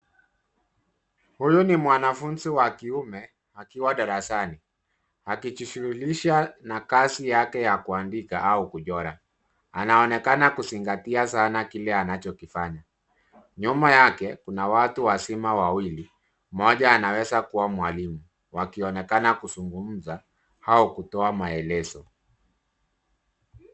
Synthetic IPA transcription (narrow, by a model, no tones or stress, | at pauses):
hujunimwanafunziwakiumɛ | hakiwaɗaɾasani | hakit͡ʃiʃuɾuliʃanakasijakɛjakuandikaʔaukuʄɔɾa | anaɔnɛkanakusiŋɡatiasanakilɛanat͡ʃɔkifaɲa | ɲumajakɛkunawatuwasimawawili | mɔʄaːnawɛzakuwamwalimu | wakiɔnɛkanakuzuŋɡum̩za | haukutɔamaɛlɛzɔ